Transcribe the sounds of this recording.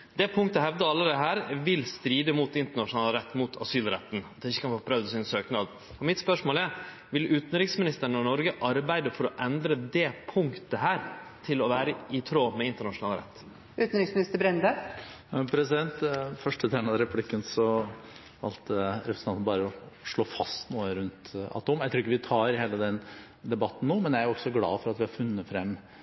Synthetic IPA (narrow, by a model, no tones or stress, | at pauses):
d̪ɛpʰʊŋkt̪əɦɛʋd̪əɑlːəd̪ɛɦæːɾʋɪlst̪ɾiːd̪əmut̪ɪnt̪əɳɑʂʊnɑːləɾɛt̪ːmʊt̪ʰɑ̰syːlɾɛt̪ːn̩ɑt̪ːɪçːə̥kʰɑnfoːpʰɾœʋd̪əsɪnsøːknɑd̪ | ɔmɪt̪spœʂmoːlæɾ | ʋɪlʉːt̪n̩ɾɪksmɪnɪst̪əɾəɳɑnɔɾɡəʔɑɾbæɪd̪əfɔɾɔʔɛnd̪ɾəd̪ɛpʰʊŋkt̪əɦæːɾt̪ʰɪlɔʋæːɾəɪt̪ʰɾoːmɛɪnt̪əɳɑʂʊnɑːlɾɛ̰t̪ː | ʉːt̪n̩ɾɪksmɪnɪst̪əɾbɾɛnd̪ə | pʰɾɛsɪd̪ɛnt̪fœʂʈət̪ʰɾæːnəɾɛpʰlɪkːənsɔ | ɑlt̪əɾɛpɾsnʰɑnnbɑːɾəɔʂɭoːfɑst̪nuːəɾʉnt̪ɑ̰t̪ːʊmjæɪt̪ɾuːɾɪkːəʋɪt̪ʰɑːɾheːləd̪ɛn | d̪ɛbɑt̪ːn̩noːmɛnjææɾɔksɔɡlɑ̰ːfɔɾɑt̪ʋɪhɑɾfʉnːəfɾɛmː